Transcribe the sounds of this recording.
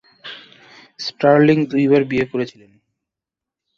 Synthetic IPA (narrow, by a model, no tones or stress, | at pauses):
spɾaɾliŋd̪uibaɾbiekoɾet͡ɕʰilen